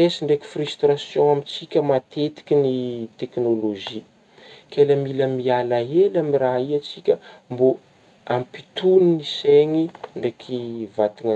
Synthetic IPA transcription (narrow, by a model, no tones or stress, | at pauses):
esiɳɖ͡ʐeki̥fryst̪rasjõamit͡sikʲəmat̪et̪i̥kʲinit̪eknoloʒi | kʲʰeləmiləmialaɦelamiraɦiat͡sikʲəmbo | ampi̥t̪uniniseŋiɳɖ͡ʐekʰʲivat̪iŋ